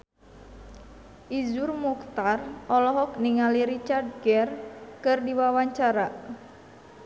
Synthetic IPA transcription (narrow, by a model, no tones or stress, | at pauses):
ʔizurmukt̪arʔɔlɔɦɔk̚niŋaliɾit͡ʃard̪̚ɡɛrkɨrdiwawaɲt͡ʃaɾa